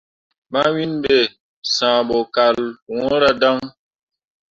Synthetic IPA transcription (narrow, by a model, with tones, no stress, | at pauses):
ma˦wi˦nbe˦˨ | sãː˨bɔ˨ka˨lwɔ̃˦ɾa˦da˦ŋ